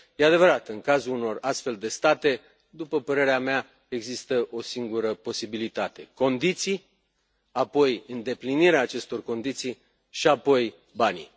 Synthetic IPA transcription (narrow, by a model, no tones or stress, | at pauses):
jead̪e̞vəɾat̪ɨŋkazuluno̞rast̪fe̞ld̪e̞st̪at̪e̞ | d̪upəpəɾe̞ɾeamea | e̞ɡzist̪əʔo̞siŋɡuɾəpo̞sibilit̪at̪e̞ko̞nd̪it̪sij | apo̞jɨnd̪e̞pliniɾeaːt͡ʃe̞st̪o̞rko̞nd̪it̪sij | ʃiapo̞j | banḭ